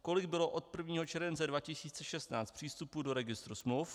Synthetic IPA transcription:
ko̞lɪɡ̚bɪloʔo̞t̪̚pr̩vɲiːɦot͡ʃɛɾvɛnt͡sɛdvacɪsiːt͡sɛʃɛst̪naːt͡st̪pr̝̥iːst̪upudo̞ɾɛɡɪst̪ɾusmluwf

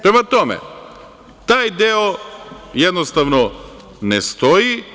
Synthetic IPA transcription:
pɾemat̪omḛ | t̪aːjd̪eojed̪nost̪aʋno | nest̪oji

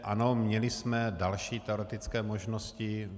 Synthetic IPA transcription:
ʔa̰nomɲɛlɪsmɛdalʃiːt̪ɛoɾɛt̪ɪt͡skɛːmoʒnoscɪ

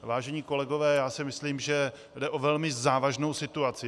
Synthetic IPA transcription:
vaːʒɛɲiːko̞lɛɡovɛːjaːsɪmɪsliːmʒɛ | dɛʔovɛlmɪzaːvaʒno̞wsɪt̪uat͡sɪ

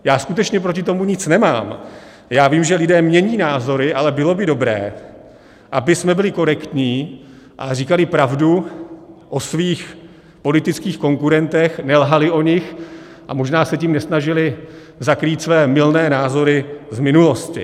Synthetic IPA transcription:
jaːskut̪ɛt͡ʃɲɛp̬ɾoc̬ɪt̪o̞muɲɪt͡snɛma̰ːm | jaːviːmʒɛlɪdɛːmɲɛɲiːnaːzo̞ɾɪʔalɛbɪlo̞bɪdo̞bɾɛ̰ː | ʔabɪsmɛbɪlɪko̞ɾɛkt̪ɲiː | ʔa̰riːkalɪpɾavdu | ʔo̞sviːx | po̞lɪt̪ɪt͡skiːxko̞ŋkuɾɛnt̪ɛxnɛlɦalɪʔo̞ɲɪx | ʔa̰mo̞ʒnaːsɛciːmnɛsnaʒɪlɪ | zakɾiːt̪svɛːmɪlnɛːnaːzo̞ɾɪzmɪnulo̞scɪ̰

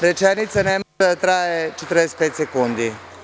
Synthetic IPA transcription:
ɾɛt͡ʃɛnit̪sanɛmɔad̪at̪ɾaːjɛt͡ʃɛt̪əɾnajst̪̚pɛːt̪sɛkund̪i

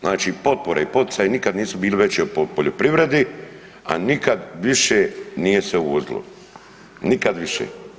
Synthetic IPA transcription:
znaːt͡ʃiːpo̞t̪̚poɾaipo̞t̪i̥t̪sajenikad̪niːsubiːliʋe̞t͡ɕiopopoʎopɾiʋɾe̞d̪i | a̰nikad̪ʋiʃeːniːje̞sʋeuozilo̰ | nikad̪ʋiʃḛː

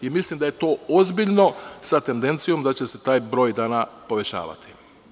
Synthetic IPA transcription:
imislimd̪ajet̪o̞ːozbiʎno̞sat̪e̞nd̪e̞nt̪sijo̞md̪at͡ɕe̞se̞t̪aːjbɾo̞ːjd̪aːnapo̞ʋe̞t͡ɕa̰ːʋa̰t̪i̥

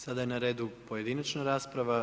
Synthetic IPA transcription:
sad̪ajenaɾeːd̪upo̞je̞d̪inat͡ʃnaɾaːspɾaʋa

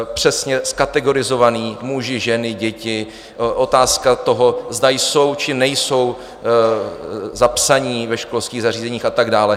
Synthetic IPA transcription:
pr̝̥ɛsɲɛskat̪ɛɡo̞ɾɪzo̞vaniːmuʒɪʒɛnɪɟɛcɪ | ʔo̞t̪aːskat̪o̞ɦo̞zdajso̞wt͡ʃɪnɛjso̞w | zapsaɲiːvɛʃko̞lskiːɣzar̝iːzɛɲiːxat̪aɡdaːlɛ

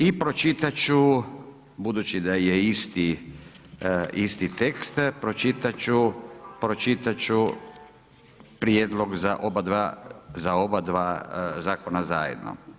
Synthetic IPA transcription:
ipɾot͡ʃit̪at͡ʃu | bud̪ut͡ʃid̪ajeist̪i | ist̪it̪ekst̪pɾo̞t͡ʃit̪at͡ʃupɾo̞t͡ʃit̪at͡ʃu | pɾjed̪lo̞ɡzaʔobad̪ʋazao̞bad̪ʋaːzaːkonazaːjḛd̪no̰

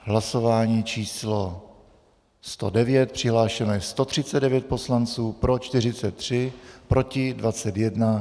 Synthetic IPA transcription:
ɦlaso̞vaːɲiːt͡ʃiːslo | st̪odɛvjɛt̪̚pr̝̥ɪɦlaːʃɛnojɛst̪o̞t̪r̝̥ɪt͡sɛd̪dɛvjɛt̪̚po̞slant͡suːpɾo̞t͡ʃt̪ɪr̝ɪt͡sɛt̪ːr̝̥ɪpɾʔo̞cɪdvat͡sɛt̪jɛdna

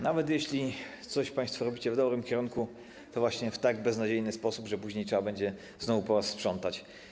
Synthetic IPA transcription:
navɛt̪jɛɕlʲit̪sɔɕpãj̃st̪fɔɾɔbʲit͡ɕɛvd̪ɔbɾɘmkʲɛɾuŋku | t̪ɔvwaɕɲɛft̪aɡbɛznad͡ʑejnɘspɔsubʐɛpuʑɲejtʂɛbabɛɲd͡ʑɛ | znɔvupɔɾasspʂɔnt̪at͡ɕ

